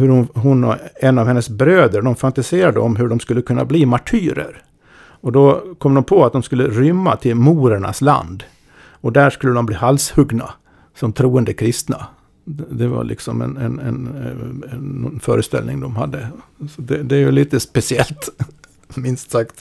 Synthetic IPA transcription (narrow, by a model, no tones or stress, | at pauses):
hɵɾʊnɦʊnɔ̰ɛnːavhɛnːəsbɾøːd̪əɖɔmfant̪aseːɾad̪əɔmɦɵɖɔmskɵlːəkʰɵnːa̰bliːmaʈʰyːɾə̰ɾ | ɔd̪ɔkʰɔmd̪ɔmpʰɔat̪̚d̪ɔmskɵlːəɾʏmːat̪ʰɪlmuːɾəɳa̰sla̰nd̪ | ɔd̪æːʂkɵlːəd̪ɔmbliːhalshɵɡna | sɔmt̪ʰɾuːənd̪əkʰɾɪst̪na | d̪ɛva̰lʔɪ̰ksɔmɛ̰nɛ̰nɛ̰n | ɔnfœ̰ːɾəst̪ɛ̰lnɪŋd̪ɔmhad̪ːəsɔd̪ɛd̪ɛæɾjɵliːt̪əspɛsɪɛlt̪ | mɪnst̪sakt̪